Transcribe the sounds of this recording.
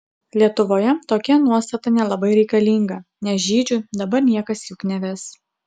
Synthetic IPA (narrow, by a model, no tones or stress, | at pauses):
lʲiɛt̪ʊʋoːjɛt̪oːkʲɛnuɔst̪ɐt̪ɐnʲɛlˠɐbɐɪɾʲɛɪkɐlʲiːŋɡɐnʲɛsʒʲiːd͡ʒʲʊd̪ɐbɐɾnʲiɛkɐsjʊknʲɛʋʲɛs